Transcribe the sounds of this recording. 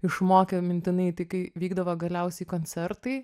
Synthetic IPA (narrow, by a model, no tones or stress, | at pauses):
ɪʃmoːkʲɛmʲɪnʲt̪ʲɪnɐɪt̪ɐɪkɐɪʋʲiːɡd̪ɐʋoɡɐlʲɛʊsʲɛɪkoːnʲt͡s̪ʲɛrt̪ɐɪ